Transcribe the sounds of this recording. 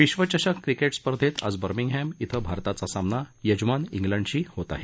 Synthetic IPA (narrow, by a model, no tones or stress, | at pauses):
ʋiɕʋət͡ɕəɕəkːɾikeʈspəɾd̪ʱet̪a̰d͡zbəɾmiŋɡɦɛmit̪ʰəbʱaɾt̪at͡sasamnajəd͡ʑmaniŋɡlə̃ɳɖt͡ɕiːhot̪a̰ɦe